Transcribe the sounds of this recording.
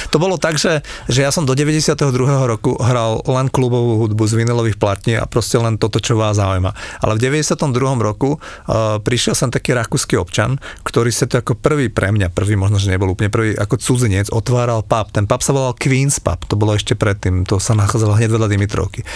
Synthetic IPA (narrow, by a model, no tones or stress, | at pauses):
t̪ɔbɔlɔt̪aɡʒɛʒɛjasɔmd̪ɔɟɛʋɛɟɛsɪat̪ɛɦɔd̪ɾuɦɛːɦɔɾɔkuɦɾallɛnklubɔʋuːɦud̪buzʋinilɔʋiːxplat̪ɲiːa̰pɾɔscɛlɛnt̪ɔt̪ɔt͡ʃɔʋaːzaujma̰a̰lɛvɟɛʋɛɟɛsɪat̪ɔmd̪ɾuɦɔmɾɔku | pɾiʃɪɛlsɔmt̪akiːɾakuːskiɔpt͡ʃa̰nkt̪ɔɾiːsat̪ɔakɔpr̩ʋiːpɾʔɛmɲapr̩ʋiːmɔʒnɔʒɛɲɛbɔlup̬lɲɛpr̩ʋiːʔakɔt͡sud͡ziɲɛd͡zɔt̪ʋaːɾalpapt̪ɛnpapsaʋɔlalkʋiːnspa̰pt̪ɔbɔlɔɛʃcɛpɾɛt̪ːiːmt̪ɔsanaxaːd͡zalaɦɲɛɟʋɛlad̪imit̪ɾɔ̰ʊki